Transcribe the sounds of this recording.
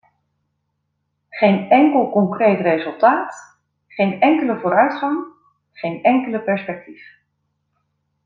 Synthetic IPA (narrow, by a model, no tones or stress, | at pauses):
χejnɛŋkəlˠkɔŋkrejtrezɵlˠtaːt | χejnɛŋkələvʊːɾœɥtχɑŋ | χejnɛŋkələpɛɹspɛk̚tif